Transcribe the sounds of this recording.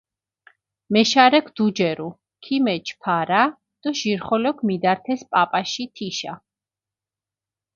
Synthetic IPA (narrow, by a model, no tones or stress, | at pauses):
mɛʃaɾɛkʰd̪̥ud͡ʒɛɾu | kʰimɛt͡ʃʰpʰaɾa | d̪̥ɔʒiɾχɔlɔkʰmid̪aɾt̪ʰɛspʼapʼaʃit̪ʰiʃa̰